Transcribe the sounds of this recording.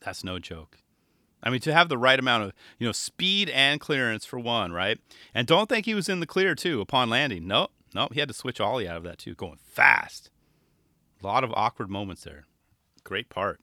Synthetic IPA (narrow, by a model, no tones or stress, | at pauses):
ðætsnoʊd͡ʒoʊk | ʔaɪmĩntʰɨːvðəɹaɪɾɨmãʊ̃ɾ̃ʌv̥jɨnoʊ̥spiɾɨ̃nkʰl̥ɪɹɨ̃nsfə˞wʌ̃nɹaɪt̚ʔɨ̃ndõʊ̃nθɪ̃ŋkhiwʌzɨ̃nðɨkʰl̥ɪɹtʰʉəpʰɑ̃nlæ̃ndɪ̃ŋnoʊ | noʊhiɨd̚tɨswɪt͡ʃɔlˠiaʊɾʌvðɨ̰tʰʉ̰ɡ̥oʊɪ̰̃ŋfæ̰st | lɔɾʌvɔ̰kwə˞d̚mõʊ̃mə̃ntsðə̰˞ | ɡ̥ɹeɪt̚pʰɑɹt̚